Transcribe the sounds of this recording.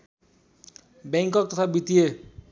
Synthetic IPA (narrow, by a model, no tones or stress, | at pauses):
beŋkʌk̚t̪ʌt̪ʰabit̪ie